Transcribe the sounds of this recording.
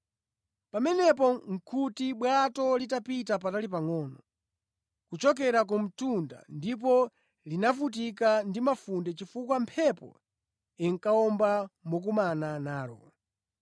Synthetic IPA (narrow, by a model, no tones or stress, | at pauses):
pamɛnɛp̬ɔŋ̩kʰutiɓwatɔlitapitapatalip̬aŋɔːnɔ | kut͡ʃɔk̬ɛɾak̬um̩tunda̰ndip̬ɔ | linafut̬ikandimafundɛt͡ʃifukwampʰɛpɔ̰ | iŋ̩kaɔmbamɔk̬umananaːɾɔ̰